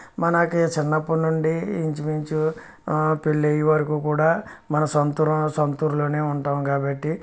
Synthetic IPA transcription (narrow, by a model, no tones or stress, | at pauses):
mɐnɐkːt͡ʃinːɐpːunuɳɖiːɲt͡ʃimiɲt͡ʃu | piɭːejiʋɐɾikuːkuːɽaːmɐnɐsɐnt̪uɾɐsɐnt̪uːɾulo̞ːne̞ːuɳʈaːmkaːbɐʈːi